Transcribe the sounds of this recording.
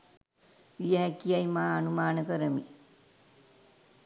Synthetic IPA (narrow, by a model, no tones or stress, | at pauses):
ʋijəɦækijajmaːanumaːnəkəɾəmi